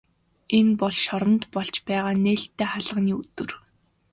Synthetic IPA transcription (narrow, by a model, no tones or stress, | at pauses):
enpɔɮʃɔɾə̆nt̪pɔɮt͡ɕpæːʁaːneːɬt̪ːeːχaɮə̆niːɵt̪ɵ̆r